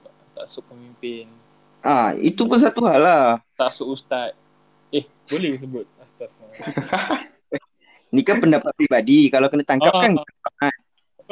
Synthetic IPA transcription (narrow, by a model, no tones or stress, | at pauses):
t̪asʊk̚pəmimpɪn | ʔahḭt̪upʊns̬at̪uɦalaht̪asʊkust̪at̪̚ | ɛh | bolɛhbis̬əbʊt̪̚ast̪at̪̚a | nikapəndapat̪̚pɾibadikalokənət̪aŋkap̚kankəbaʔan